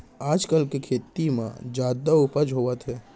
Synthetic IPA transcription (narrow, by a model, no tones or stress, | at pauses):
aːd͡ʒkəlkekʰeːt̪imã̰d͡ʒaːd̪aʊpəd͡ʒɦoːʋət̪ɦɛː